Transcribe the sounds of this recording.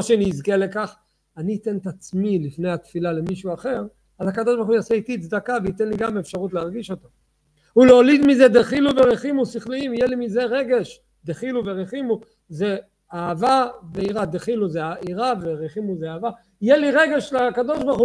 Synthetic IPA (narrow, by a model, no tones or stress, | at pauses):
aʃeniːzkele̞kaχ | aniːt̪e̞nt̪at͡smilifne̞jat̪filale̞miʃuaχe̞ʁ | alhakad̪oʃbaʁχujaseit̪it͡sd̪akaveit̪enliɡamefʃaʁut̪leaʁɡiʃo̞t̪o | uleolid̪mized̪eχiluveʁeχimusiχliimjelimizeʁeɡe̞ʃ | d̪eχiluveʁeχimu | ze | aːvaveiʁad̪eχiluzeaiʁaveʁeχimuzeaːva | jɛliʁe̞ɡeʃleakad̪o̞ʃbaʁχu